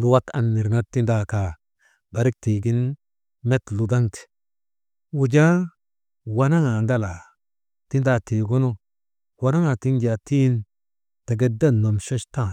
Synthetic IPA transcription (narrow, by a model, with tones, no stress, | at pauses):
lu˨wa˦ta̰˨nːi˨ɾna˦tːi˦nda˨ka˨ | ba˨ɾi˦k̚ti˨ɡi˦n | me˦tlu˨da˦ŋti̥˨ | wu˨d͡ʒa˦ | wa˦na˦ŋa˨nda˦la˨ | ti˦nda˧te˨ɡo˦no˦ | wa˨˦na˦ŋa˨ti˦nd͡ʒa˨ti˦n | ta˨ɡe˦da˦nːo˨mʃo˦ʃta˦˨